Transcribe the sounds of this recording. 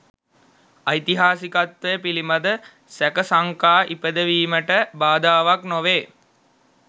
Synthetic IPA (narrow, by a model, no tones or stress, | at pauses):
ajt̪iɦaːsikat̪ʋəjəpilimad̪ə | sækəsaŋkaːʔipəd̪əʋiːməʈəbaːd̪aːʋaknoʋeː